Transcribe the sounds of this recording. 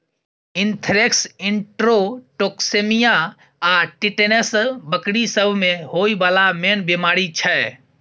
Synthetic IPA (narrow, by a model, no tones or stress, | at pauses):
ɪnt̪ʰɾeksɪɳʈɾoʈoksemija | aʈiʈenesbəkɽisəbʱmẽɦoibaːlamenbemaːɾit͡ʃʰɛ